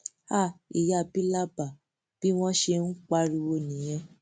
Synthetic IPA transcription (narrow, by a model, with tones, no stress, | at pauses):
a˦˨i˨ja˦˨bi˦la˦ba˨ | b̥i˨˦w̃ɔ̃˦ʃe˧n̩˦k͡pa˧˦ɾi˧wo˧nĩ˨j̃ɛ̃˧